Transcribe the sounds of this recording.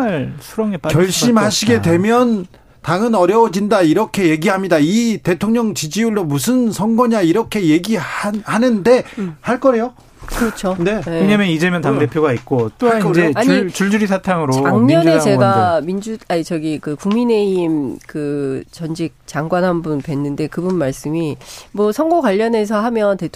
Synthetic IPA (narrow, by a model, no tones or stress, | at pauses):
aɭsʰuɾʌŋep͈at͡ɕʌɭɕ͈imhaɕʰiɡe̞dwe̞mjʌn | taŋɯnʌɾjʌwd͡ʑindaiɾʌkʰe̞je̞ɡiɦamɲidaite̞tʰoŋɲʌŋt͡ɕid͡ʑiuɭdomus̬ʰɯnsʰʌŋɡʌɲaiɾʌkʰe̞je̞ɡihanɯnde̞haɭk͈ʌe̞jo | kɯɾʌt͡ɕʰone̞eɲamjʌnid͡ʑemjʌntaŋde̞pʰjoɡait̚k͈ot͈oakʰaeaɲt͡ɕuɭd͡ʑuɾisʰatʰaŋɯɾot͡ɕaŋɲiʌnd͡ʑueaeɡamind͡ʑuait͡ɕʌɡikɯkuŋmine̞imkɯt͡ɕʌnd͡ʑik̚t͡ɕaŋɡwanɦanbunpwe̞nːɯnde̞kɯbunmaɭs͈ɯmimwʌsʰʌŋɡokwaʎːʌne̞sʰʌɦamjʌnte̞tʰ